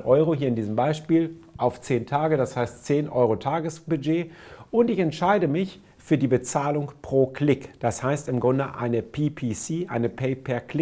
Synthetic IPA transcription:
ʔɔʏʁ̞oɦiːɐɪndiːzəm̩baɪʃpiːlʔaʊft͡seːntʰaːɡədashaɪstt͡seːnʔɔʏʁ̞otʰaːɡəsb̥yd͡ʒeːʔʊntɪçɛntʃaɪdəmɪç | fyːɐdiːbət͡saːlʊŋpʁ̥oːkʰlɪkd̥ashaɪstɪmɡʁʊndəʔa̰ɪnəpʰiːpʰisiːʔaɪnəpʰeɪpʰɛɐklɪ

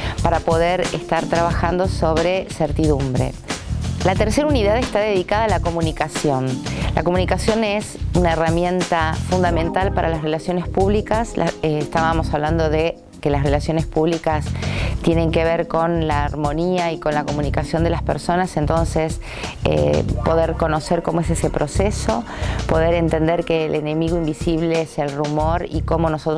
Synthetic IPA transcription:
paɾapo̞ð̞eɾest̪aɾt̪ɾaβaxand̪o̞so̞βɾe̞seɾt̪iðumbɾḛ | lat̪eɾseɾauniðaðest̪aðe̞ðikaðaːlako̞mũnikasjo̞nlʔa̰komũnikasjo̞nesunaeramjẽ̞nt̪afund̪amẽ̞nt̪alpaɾʔalasre̞lasjo̞nespuβlikasla̰est̪aβamo̞saβland̪o̞ðe | ke̞lasre̞lasjo̞nespuβlikast̪jenẽ̞ŋke̞β̞eɾko̞nlaːɾmo̞niaiko̞nlako̞mũnikasjo̞nd̪e̞laspeɾso̞nasent̪o̞nses | ḛpo̞ðeɾko̞noseɾko̞moes̬esepɾo̞seso̞po̞ðeɾe̞nt̪end̪eɾkeːlene̞miɣoimbisiβ̞leeselrumo̞ɾiko̞mo̞nosot̪

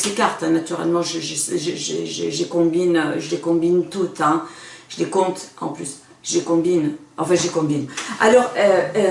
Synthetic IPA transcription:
slekaʁt̪ɛ̃nat̪yʁɛ̰lmɑ̃ʒəʒəsʒəʒḛʒəʒəlekɔ̃binøʒəlekɔ̃bint̪ut̪ɛ̃ʒ̥əlekɔ̃t̪ɑ̰̃plys | ʒəlekɔ̃binɑ̃fɛ̃ʒəlekɔ̃bina̰lɔʁøø

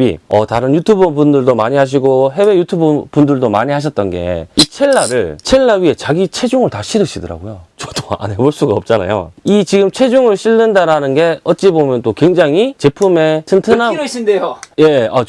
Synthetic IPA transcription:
ḭʌ̰taɾɯnjutʰubɯbundɯɭdomaɲiɦaɕ̬ʰiɡoɦe̞we̞jutʰubɯpundɯɭdomaɲiɦaɕ̬ʰʌt̚t͈ʌnɡe̞̰it͡ɕʰeɭːaɾɯɭt͡ɕʰeɭːaɥie̞t͡ɕaɡit͡ɕʰe̞d͡ʑuŋɯɭtaɕʰiɾɯɕʰidʌɾa̰ɡojot͡ɕʌdoa̰nɦe̞boɭs͈uɡaʌp̚t͡ɕ͈ana̰jo̰it͡ɕiɡɯmt͡ɕʰe̞d͡ʑuŋɯɭɕʰiɭːɯndaɾanɯnɡe̞ʌt̚t͡ɕ͈ibomjʌnt͈okwe̞ŋd͡ʑaŋit͡ɕe̞pʰume̞tʰɯntʰɯnaɕindejoje̞a̰

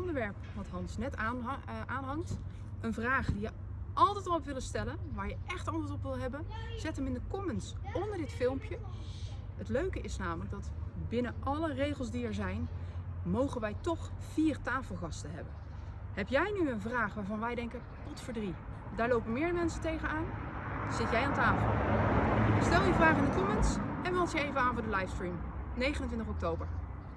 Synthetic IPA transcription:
ndəɹʋɛɹpʋɑtɦɑnsnɛtːʔaːnɦɑŋt | ənvraːχdijə | ɑlˠtɛjtɑlɔpʋɪləstɛlənʋaːɹjəʔɛχtɑntətɔpʋɪlˠɦɛbənz̥ɛtəmɪndəkɔmənsɔndəɹdɪtfɪlˠmpjə | ɦətløɥkəʔɪsnaːmələɡ̚dɑtbɪnənʔɑlərejχəlˠs̬diɛɹzɛjnmowχənʋɛjtɔχv̥iːɹtaːfəlˠχɑstəɦɛbən | ɦɛpjɛjnyənvraːχʋaːɹvɑnʋɛjdɛŋkə | pɔtfəɹdri | daːɹlowpənmɪːɹmɛnsəntejχənaːnz̥ɪtjɛjantaːfəlˠ | stɛlˠjəvraːχandəkɔmənsɛnʋɑlˠsjəejvənaːnvʊɹdəlajfskɹim | nejχənəntʋɪntəχɔk̚towbəɹ

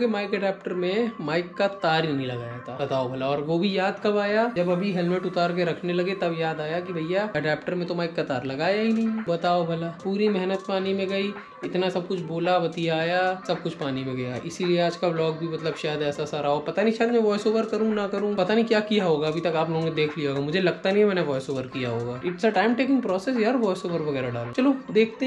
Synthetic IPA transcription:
kemaːɪkɛɖɛːp̚ʈəɾmẽmaːɪkːat̪aːɾinɐɦĩlɐɡa̰ːjat̪ʰabɐt̪aːobʱɐlaɔːɾʋobʱijaːd̪kɐbaːjad͡ʒɐbɐbʱiɦɛlmɪʈʊt̪aːɾk̬eɾɐkʰnelɐɡet̪ɐbjaːd̪aːjakibʱɐjjaɛɖɛːpʈəɾmẽt̪omaːɪkːat̪aːɾlɐɡaːjaɦinɐɦĩbɐt̪aːobʱɐlapuːɾimɛɦnət̪paːnimẽɡɐi | ɪt̪nasɐb̚kʊt͡ʃʰboːlabɐt̪ijaːjasɐb̚kʊt͡ʃʰpaːnimẽɡɐja̰ʔɪsilieaːd͡ʒkablɔːk̚bʱimɐt̪ləbʃɛːd̪ɛːsasaɾaɦopɐt̪anĩʃad̪mɛ̃ʋɔːjsoːʋəɾkɐɾũnakɐɾũpɐt̪anĩkjaːkijaɦoːɡaɐbʱit̪ɐkaːploːɡõked̪eːkʰlijaɦoɡamʊd͡ʒʱelɐɡ̚t̪anɐɦĩmɛːneʋɔːjsoːʋəɾkijaɦoːɡaːɪʈsaʈãːɪmʈeːkɪ̃ŋɡpɾɔːses̬jɐɾʋɔːɪsoːʋəɾʋɐɡɛːɾaɖaːlot͡ʃɐlod̪eːkʰt̪e

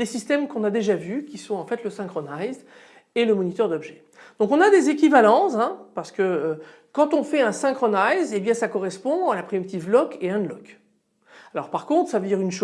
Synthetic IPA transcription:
esist̪ɛmkɔ̃nad̪eʒavykʲisɔ̃ɑ̃fɛt̪ləsɛ̃kχɔnajz | eləmɔnit̪œʁd̪ɔbʒɛ | d̪̥ɔ̃kɔ̃nad̪ezek̬ʲivalɑ̃zɛ̃paʁsə̥kəø | kɑ̃t̪ɔ̃fɛɛ̃sɛ̃kχɔnajzebjɛ̃sakɔʁɛspɔ̃alapχimit̪ivlɔkeɛ̃d̪lɔk | alɔʁpaʁkɔ̃t̪χsavød̪iʁynʃo

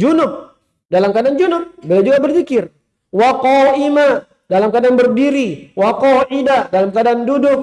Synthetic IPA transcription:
d͡ʒunʊk̚ | dalamkadand͡ʒunʊk̚bilad͡ʒuɡabərfikɪr | waqɔima | dalamkadanbərdiɾiwaqɔidadalamkadandudʊk̚

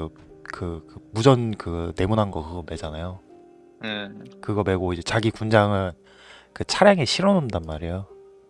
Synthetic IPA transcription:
kɯkɯmud͡ʑʌnkɯne̞munɦanɡʌkɯɡʌme̞d͡ʑanajo | kɯɡʌme̞ɡoid͡ʑe̞t͡ɕaɡikund͡ʑaŋɯn | kɯt͡ɕʰaɾjaŋeɕʰiɾʌnondanmaɾijo

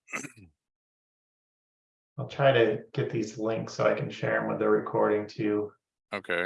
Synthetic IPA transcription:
aɪlˠtʰɹ̥aɪɾɨɡ̥ɛt̪̚ðizlɪ̃ŋksoʊaɪkʰn̩ʃɛɹɨ̃mwəðəɹɨkʰɔɹɾɪ̃ŋtʰʉʉ | oʊkʰeɪ

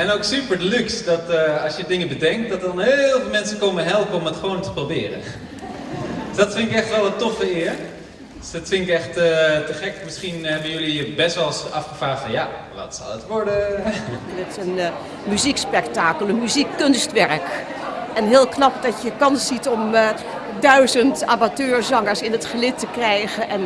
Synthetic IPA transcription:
ɛnoksypəɹdəlyksdɔtɑsjədɪŋəbədɛŋk̚t̚dɔt̚dɑnhelˠvɪlˠmɛnsəkoməɦɛlˠpəɔmətχəʋowntə̥probɪːrə̰ | sdɔtfɪŋɪkɛχtʋɛlˠətofəɪːəɹ | dsdɔtfɪŋɪkɛxtətəχɛkmɪsχinɦɛbənjɵlibɛsʋɛlˠsɑfχəfaːfɑnjaʋɑ̰tsɑ̰lˠətʋɔɹdə | dɪtɪ̥sən | myzikspɛktaːkəlˠənmyzikːɵnstʋɛɹkɛnɦɪːlˠknɑp̚dɑtjəkɑnsitɔm | dœɥzəntaːbatøːɹzɔŋəɹsɪnətχəlɪtəkrɛjɣəʔɛn

